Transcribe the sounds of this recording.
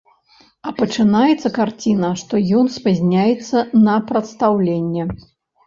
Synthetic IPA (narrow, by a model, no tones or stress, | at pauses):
ɐpɐt͡ʂɨnajɛt̪sːɐkart͡sʲinɐʂt̪ɔjɔnspazʲnʲajɛt̪sːɐnɐpɾɐt̪st̪awlʲenʲːɛ